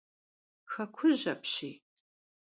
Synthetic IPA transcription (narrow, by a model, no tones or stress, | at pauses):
xɐkʷʰʊʑɐpɕiː